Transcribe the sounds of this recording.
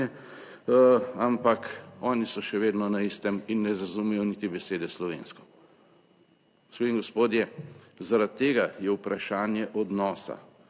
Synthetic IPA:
ɛ | ampakɔːnisɔʃɛʋeːd̪nɔnaist̪ɛminːɛzazumɛjɔnit̪ibɛseːd̪ɛslɔʋḛːnskɔ̥ | ɡospiiŋɡɔspoːd̪jɛzaɾat̪ːeːɡajɛwpɾaʃaːnjɛʔɔd̪nɔːsa̰

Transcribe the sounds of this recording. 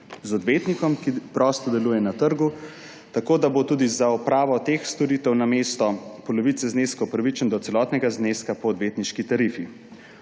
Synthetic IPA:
zɔd̪ʋet̪nikɔmkipɾɔːst̪ɔd̪ɛluːjɛnat̪əɾɡu | t̪akoːd̪abot̪uːd̪izaɔpɾaːʋɔt̪exst̪ɔɾiːt̪ɛwnameːst̪ɔpɔlɔʋit̪sɛzneːskɔɔpɾaʋit͡ʃənd̪ɔt̪sɛlɔt̪nɛɡazneskapɔːd̪ʋet̪niʃkit̪aɾifi

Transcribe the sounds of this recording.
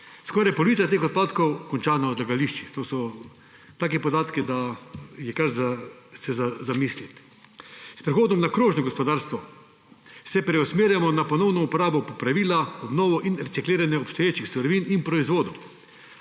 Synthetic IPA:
skɔɾajpɔlɔʋiːt͡s̪at̪eːxɔt̪̚paːt̪kɔwkɔnt͡ʃaːnaɔd̪laɡaliʃt͡ʃixt̪oːsɔ | t̪aːkɛpɔd̪aːt̪kid̪ajɛkaɾzasɛzazamislit̪ | spɾixoːd̪nɔmnakɾoːʒnɔɡospɔd̪aːɾst̪ʋɔ | sɛpɾɛɔsmeːɾjamɔnapɔnɔwnɔupɔɾaːbɔpɔpɾaʋiːlaɔbnɔːʋɔʔinɾɛtsikleːɾanjɛɔpst̪ɔjeːt͡ʃixsɔɾɔʋiːninpɾɔizʋoːd̪ɔ

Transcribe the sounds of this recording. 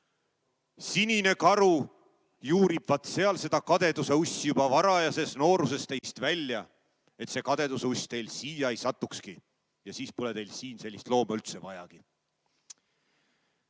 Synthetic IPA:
sinine̞kɑɾu | juːɾib̥vɑt̪se̞ɑlse̞d̪̥ɑkɑd̪e̞d̪̥use̞usʲːijubɑvɑɾɑjɑse̞sno̞ːɾuse̞st̪ejst̪vælʲːjɑ | e̞t̪se̞ːkɑd̪̥e̞d̪useusʲt̪e̞jlsiːjɑejsɑt̪ːˑukski | jɑsiːspule̞d̪e̞jlsiːnse̞lʲːist̪lo̞ːmɑylt̪se̞vɑjɑ̰ɡ̥i

